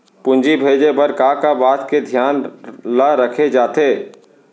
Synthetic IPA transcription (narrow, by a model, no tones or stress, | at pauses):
pʊ̃nd͡ʒibʱeːd͡ʒepəɾkaːkabaːt̪ked̪ʱjaːnləɾəkʰed͡ʒaːt̪eː